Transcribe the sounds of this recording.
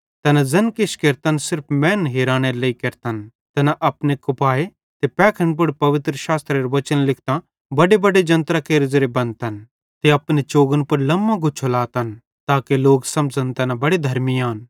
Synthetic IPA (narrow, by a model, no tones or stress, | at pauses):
t̪ɛnazɐnkɪʃkeɾt̪ɐnsɪɾpʰmɛ̃ːnɦeːɾaːñeɾleikeɾt̪ɐn | t̪ɛnaʔɐpnekʊpaːe | t̪epɛːkʰənp̬ʊɽpɐʋɪt̪ɾəʃaːst̪ɾeɾʋɐt͡ʃənlɪkʰt̪ã | bɐɖebɐɖed͡ʒɐ̃nt̪ɾakeːɾzɐɾebɐ̃nt̪ɐn | t̪eɐpnet͡ʃoːɡənpɐɾlɐmːãɡʊt͡ʃʰolaːt̪ɐn | t̪aːkeloːɡsɐ̃md͡zənt̪ɐnabɐɽed̪ʱɐɾmiaːn